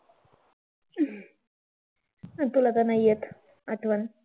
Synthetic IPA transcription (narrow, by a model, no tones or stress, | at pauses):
t̪ulɐt̪ɐnɐjːɐt̪ | ɐʈʋɐn